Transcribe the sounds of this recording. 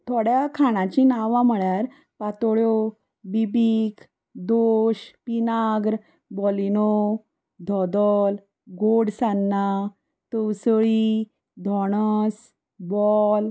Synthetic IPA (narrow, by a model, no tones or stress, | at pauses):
t̪ʰoɽjakʰaɽ̃ãt͡ɕinaʋãm̤əɭjaɾ | pat̪ɔɭjo | bibikʰ | d̪oɕpinaɡɾ | bɔlino | d̪ʱɔd̪ɔl | ɡoɽsanːa | t̪əwsɭi | d̪ʱɔɽ̃əs | bɔl